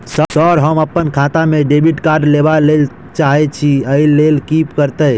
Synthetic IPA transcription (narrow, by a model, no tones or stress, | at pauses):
səsɔɾɦəməpːənkʰãt̪ameɖebʱiʈkaɾɖlebalel | t͡ʃaɦɛt͡ʃʰiəilːelkipkəɾt̪əj